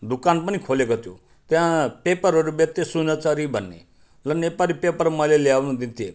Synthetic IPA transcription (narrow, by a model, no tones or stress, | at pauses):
d̪ʊkaːnpənikʰoːlekɔt̪jo̰ | t̪jãpeːpəɾɦoɾibet̪esunat͡saɾibənːḛ | lənepaːlipepəɾməleljaːʋnũd̪int̪ie